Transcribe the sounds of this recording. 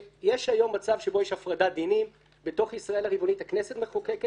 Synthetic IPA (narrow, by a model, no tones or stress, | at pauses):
jeʃhajo̞mːat͡savʃebo̞jeʃhafʁadad̪inim | beto̞χisʁae̞laʁibo̞nithakne̞se̞tmeχokeke